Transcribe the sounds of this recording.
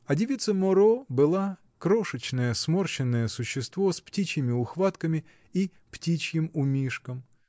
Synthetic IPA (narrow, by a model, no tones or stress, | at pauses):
ɐdʲɪʋʲit̪sɐmɔɾɔbɨlˠa | kɾɔʂɪt͡ɕnɐjɛsmɔrt͡ɕɪnːɐjɛsʊɕːɪst̪ʋɔsptʲit͡ɕʲjɪmʲɪʊxʋat̪kɐmʲɪ | i | ptʲit͡ɕjɪmʊmʲiʂkɐm